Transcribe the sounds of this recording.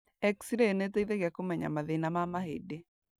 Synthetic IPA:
ɛksiɾeneteiðeɣɛkomɛɲa̰maðenamamaɦede

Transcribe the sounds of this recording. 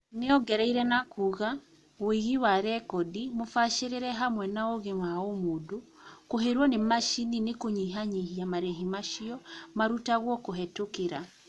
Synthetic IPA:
neɔɡɛɾɛiɾɛnakuɣa | weɣiwaɾɛkɔdimofaʃeɾeɾɛɦamwɛnaoɣemaomodo | koɦeɾwɔnemaʃininekoɲiɦaɲiɦiamaɾɛɦimaʃiɔmaɾutaɣwɔkoɦɛtokeɾa

